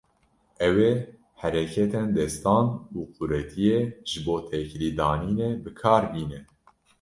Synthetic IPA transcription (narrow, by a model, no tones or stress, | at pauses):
ʔɛweː | hæɾɛkʰɛt̪end̪ɛst̪ɑːnuːqʰuɾɛt̪ʰijeːʒ̥ɨboːt̪ʰɛkɾiːd̪ɑːniːneːbɨkʰɑːɾbiːnɛ